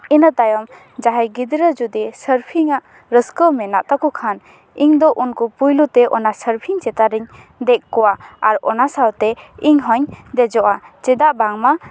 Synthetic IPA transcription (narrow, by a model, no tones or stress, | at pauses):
inat̪ajɔm | d͡ʒaɦajɡid̪ɾəd͡ʒud̪ɛsəɾpʰiŋaʔ | ɾəskəwmɛnaʔt̪akukʰan | iŋd̪ɔʔunkupujlut̪eʔɔnasəɾpʰiŋt͡ʃɛt̪aɾiɲ | d̪ɛʔkɔwaaɾɔnasawt̪eiŋɦɔɲd̪ɛd͡ʒɔʔat͡ʃɛd̪aʔbaŋma